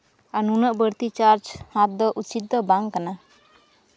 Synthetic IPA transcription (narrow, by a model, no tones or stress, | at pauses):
anunəʔbəɾt̪it͡ʃaɾd͡ʒhãt̪̚d̪ɔʔut͡ʃit̪̚d̪ɔbaŋkana